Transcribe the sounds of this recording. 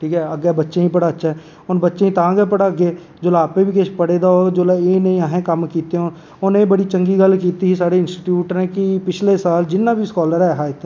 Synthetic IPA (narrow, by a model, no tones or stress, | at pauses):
ʈʰiːkɛəɡɛbətːʃeĩpəɽaətːʃʰaɛ | ɔːɾbətːʃẽĩt̪ãːɡepəɽaəɡeː | d͡ʒoːlaaːpebʱiːkɪt͡ʃpəɽeːd̪aoːɾd͡ʒoːlaeːnəĩaːɦẽkəmkiːt̪eoː | onebəɽit͡ʃəŋɡiɡəlkiːt̪iɦisaːɽeɪnsʈiːʈjuːʈɾẽːkipɪt͡ʃʰlesaːld͡ʒɪnːaːbʱiskɔːləɾɛɦaːɪt̪